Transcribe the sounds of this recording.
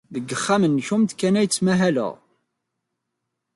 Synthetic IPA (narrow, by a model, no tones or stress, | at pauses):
ðəɡːəχːamənːçumt̪kænæjət͡sːmæɦælə̰ʁ